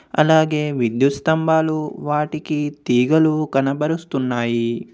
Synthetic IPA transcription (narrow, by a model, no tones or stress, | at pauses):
ɐ̰laːɡe̞ːʋid̪jut̪st̪ɐmbʱaːluʋaːʈikit̪iːɡɐlukɐnɐbɐɾust̪unːaːji